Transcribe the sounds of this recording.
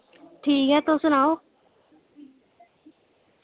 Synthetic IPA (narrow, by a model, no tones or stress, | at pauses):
ʈʰiːkɛ̃ːt̪osʊnaːoː